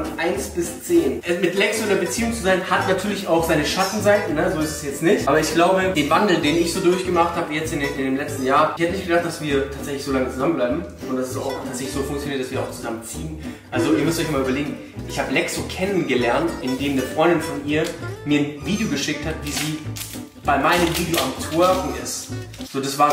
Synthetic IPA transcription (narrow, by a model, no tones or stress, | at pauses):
nʔaɪnsb̥ɪst͡seːnʔɛmɪtlɛksoɪndeɐbət͡siːʊŋt͡suzaɪnhatnatʰyːɐlɪçaʊxz̥aɪnəʃatn̩zaɪtn̩nəzoːɪstɛ̥sjɛt͡stnɪçtʔaːbɐɪçɡ̥laʊbəd̥eːnvandl̩deːnɪçz̥oːdʊɐçɡ̥əmaχthaːbəjɛt͡stɪnɪndeːmlɛt͡stn̩jaːɐɪçhɛtənɪçt̚ɡ̥ədaχtd̥asv̥iːɐtʰaːtz̥ɛçlɪçz̥oːlaŋət͡suzamənblaɪbm̩ | ʊntd̥asɛsa̰ʊxtʰaːtzɛçlɪçz̥oːfʊŋkt͡sjoniɐt̚d̥asviːɐaʊt͡suzamənt͡siːənʔalzoiːɐmʏstɔʏçmaːlyːbɐleːɡŋ̩ | ʔɪçhaːbəlɛksokʰɛnənɡəlɛɐntʔɪndeːmdəfʁ̥ɔʏndɪnfɔnʔiːɐmiːɐnviːdejoɡəʃɪk̚thatv̥iːziː | b̥aɪmaɪnəmviːdejoʔamtʰoːʁnɪ̰stz̥oːdasv̥aːɐ